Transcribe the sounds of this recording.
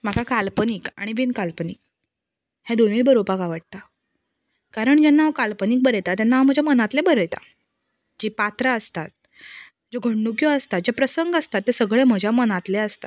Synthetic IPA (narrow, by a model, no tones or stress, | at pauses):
m̤akakalpəniːka̰ɽ̃iʋinkalpənḭːk̚ | hɛ̃d̪onibəɾopakaʋəʈ̚t̪a | kaɾəɳd͡ʑenːaʋkalpəniːk̚bəɾəjt̪at̪enaʋm̤əd͡ʑʱamənat̪lebəɾəjt̪a̰ | d͡ʑipat̪ɾaəst̪at̪̚ | d͡zoɡʱəɳɖukjɔəst̪at̪̚d͡ʑepɾəsəŋɡəst̪at̪ːesəɡɭem̤əd͡ʑʱjamənat̪leəst̪a